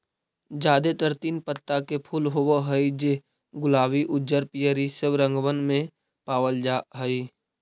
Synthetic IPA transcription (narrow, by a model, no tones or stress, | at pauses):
d͡ʒaːd̪et̪əɾt̪iːnpət̪ːakepʰuːlɦowoɦəid͡ʒe | ɡʊlaːwiʔʊd͡ʒd͡ʒəɾpijəɾisəbɾə̃ŋɡʋənmẽ | paːwəld͡ʒaɦəi